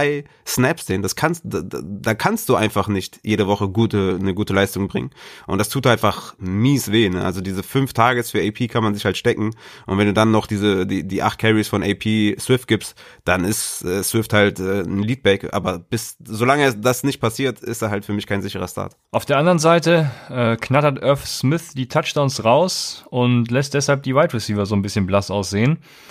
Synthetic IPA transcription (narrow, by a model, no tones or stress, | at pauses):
aɪsnɛpsd̥eːnd̥askʰanstdadaːkʰanst̚d̥uːʔaɪnfaχnɪçtjeːɾəvɔχəɡuːtənəɡuːtəlaɪstʊŋbʁɪ̰ŋənʔʊntd̥astʰuːtʔaɪnfaχmiːsv̥eːnəʔalzodiːzəfʏnftʰaːɡəsfyːɐeɪpʰiːkʰanmanzɪçhaltʃtɛkŋ̩ʔʊntvɛnduːdanːɔχd̥iːzədiːdiːʔa̰χt̚kʰɛʁisfɔnʔɛɪpʰiːswɪft̚ɡ̥ɪpstd̥anɪstʔɛːsw̥ɪfthaltʔɛːn̩liːt̚b̥ɛkʔa̰ːbɐb̥ɪszoːlaŋəɛd̥asnɪçt̚pʰasiːɐtɪ̰std̥aːhaltfyːɐmɪçkʰaɪnzɪçəʁɐʃtʰa̰ːɐtʔaʊfd̥eːɐandɐʁənzaɪtəʔɛːkʰnatɐtʔœɐfsmɪθd̥iːtʰat͡ʃd̥aʊnsʁaʊsʊntlɛst̚d̥ɛshalp̚d̥iːwaɪtʁɪsiːvɐzoːnbɪsçənblasaʊsz̥eːən